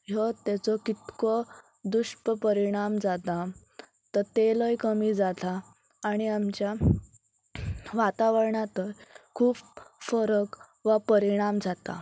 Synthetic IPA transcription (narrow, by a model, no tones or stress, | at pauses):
jɔt̪ɛt͡sɔkit̪kɔ | d̪uʂpəpəɾiɽ̃amd͡zat̪a | t̪əɾt̪eləjkəmiːd͡zat̪aː | ɽ̃iamt͡ɕja | ʋat̪aʋəɾɳat̪əɾkʰuːpfəɾək | ʋapəɾiɽ̃amd͡zat̪a̰